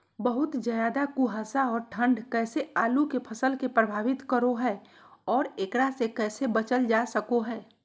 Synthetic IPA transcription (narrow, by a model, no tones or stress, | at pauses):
bəɦʊt̪d͡ʒəjaːd̪akuɦaːsaɔːɾʈʰə̃ɳɖkɛːseaːlukepʰəsəlkepɾəbʱaːʋɪt̪kəɾoɦɛː | ɔːɾeːkɽasekɛːsebət͡ʃəld͡ʒasəkoɦɛː